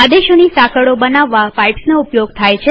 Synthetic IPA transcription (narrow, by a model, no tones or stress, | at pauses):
ad̪eʃonisakəɽobənaʋːapajʈsnoupjoɡt̪ʰajt͡ʃʰ